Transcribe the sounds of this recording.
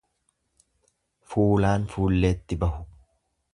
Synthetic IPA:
fuːlaːnfuːlːe̞ːt̪ːɪbɐɦʊ̥

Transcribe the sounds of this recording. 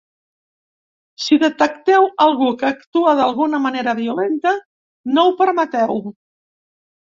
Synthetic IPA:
siðət̪əkt̪ɛwəlˠɣukəːkt̪uəðəlˠɣunəməneɾəβiulent̪ə | nowpəɾmət̪ɛw

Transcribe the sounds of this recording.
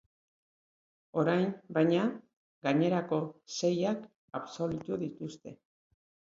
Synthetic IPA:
o̞ɾajmbajɲa | ɡaɲe̞ɾako̞se̞jak | aβso̞lut̪uðit̪ust̪e̞̰

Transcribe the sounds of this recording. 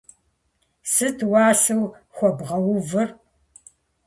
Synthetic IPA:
sɨtʰwɑːɬɨw | xʷɔbʁɐwʊvɨr

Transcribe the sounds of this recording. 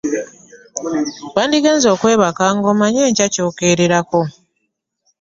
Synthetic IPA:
waːndiɡeːnzo̞ːkwe̞ːβakaːŋɡo̞maɲeːɲcaco̞ːke̞ɾeɾako̞

